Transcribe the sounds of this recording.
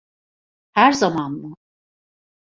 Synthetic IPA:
hæɾzamanmu

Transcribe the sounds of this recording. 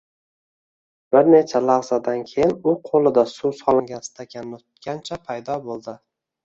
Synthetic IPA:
b̥ɪɾne̞t͡ʃʰalaʁzad̪ankʲʰe̞jɪnʊqʰolˠɪd̪asusɒlˠɪŋɡʲanɪst̪ʰakʲʰanːʰʊt̪kʲant͡ʃʰapʰajd̪ɒbolˠd̪ɪ

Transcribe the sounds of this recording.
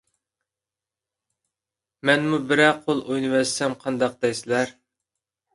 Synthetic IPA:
mɛnmubɪɾɛqʰolˠojnɨwɛsɛmqʰɑnd̪ɑq̚d̪ɛjsɪlæɾ

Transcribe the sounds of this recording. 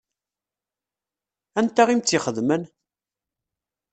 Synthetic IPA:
ænt̪æʁimt͡s̪ːiχəðmən

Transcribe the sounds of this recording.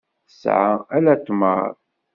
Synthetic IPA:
əsʕaælæt̪ːmə̰ð

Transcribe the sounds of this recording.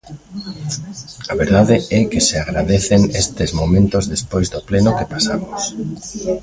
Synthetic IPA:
aβeɾðaðeɛkɪseaɣɾaðeθenest̪ezmomẽnt̪ozðespojzðoplenokepasamos

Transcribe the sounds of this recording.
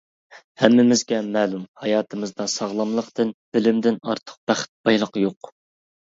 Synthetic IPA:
hɛmːɪmɪzɡʲɛmɛːlˠumhɑjɑːt̪ʰɨmɨzd̪ɑsɑʁlˠɑmlˠəqt̪ɨnb̥ɪlɪmd̪ɪnɑɾt̪ʰə̥q̚b̥æχɪ̥t̪̚b̥ɑjlˠəqjoq

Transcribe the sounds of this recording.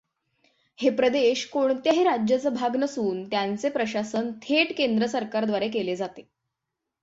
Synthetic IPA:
hepɾəd̪eɕkoɳt̪jaɦeɾad͡ʑjat͡səbʱaɡnəsuːnt̪jant͡sepɾəɕasənt̪ʰeʈkend̪ɾəsəɾkaɾd̪ʋaɾek̬eled͡zat̪e

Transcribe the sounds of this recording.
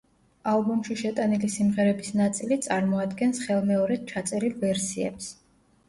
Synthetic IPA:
alˠbumʃiʃɛt̪ʼanilisimʁɛɾɛbisnat̪sʼilit̪sʼaɾmɔad̪ɡɛnsχɛlˠmɛɔɾɛd̪̥̚t͡ʃʰat̪sʼɛɾilˠvɛɾsiɛ̰ps

